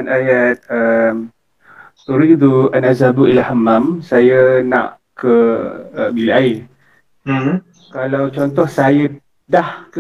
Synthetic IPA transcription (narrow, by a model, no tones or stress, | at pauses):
anajat̪̚əm | tuɾid̪uanazabuʔilahamːamsajənã̰ʔ | kəəbilʔai | kalawt͡ʃɔnt̪ɔhsaja | dahk